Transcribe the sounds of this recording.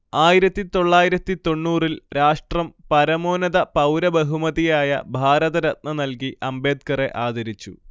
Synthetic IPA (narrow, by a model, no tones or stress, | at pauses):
aːjiɾɐt̪ːit̪o̞ɭːaːjiɾɐt̪ːit̪o̞ɳːuːrilɾaːʂʈrɐmpɐɾɐmo̞ːnɐðɐpɐwɾɐbɐɦumɐðijaːjɐ̰bʱaːɾɐðɐɾɐt̪̚nɐnɐlkiʔɐmbe̞ːd̪̚kɐre̞ʔaːd̪ʱɐɾit͡ɕːu